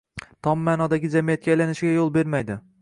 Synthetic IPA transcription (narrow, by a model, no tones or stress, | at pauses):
t̪ʰɒmːaːnɒd̪aɡʲɪd͡ʒamijat̪̚kʲajlanɪʃɪɡʲajolˠbe̞ɾmajd̪ɪ